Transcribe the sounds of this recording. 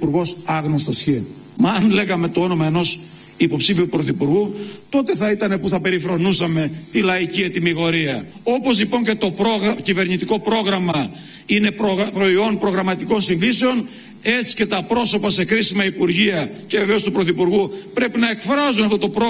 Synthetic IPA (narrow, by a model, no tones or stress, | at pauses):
puɾɣo̞sɐɣnost̪ɐsçi | mɐːnle̞ɣɐme̞t̪oo̞no̞mɐeno̞s | ipo̞psifiot̪upɾoθipuɾɣut̪o̞t̪e̞θɐit̪ɐne̞puθɐpe̞ɾifɾo̞nusɐme̞t̪ilɐiciet̪imiɣo̞ɾiɐ | o̞po̞zlipo̞ɲce̞t̪o̞pɾoɣcive̞ɾɲit̪iko̞pɾo̞ɣɾɐmɐ | ine̞pɾopɾo̞io̞npɾo̞ɣɾɐmɐt̪iko̞nsiŋɡiseo̞n | e̞t͡si̥ce̞t̪ɐpɾo̞so̞pɐse̞kɾisimɐipuɾʝiɐce̞veve̞o̞st̪upɾoθipuɾɣupɾe̞pinɐe̞kfɾɐzunɐft̪ot̪o̞pɾo